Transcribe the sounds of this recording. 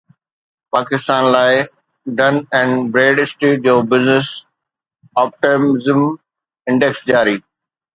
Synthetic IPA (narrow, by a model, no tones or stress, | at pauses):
paːkɪst̪aːnlaːɪ | ɖɐnɛ̃ːɳɖbɾeːɖɪsʈɾiːʈ̚d͡ʑoːbɪznɪs | ɔːp̚ʈemɪzm | ɪ̃ɳɖeksd͡ʑaːɾiː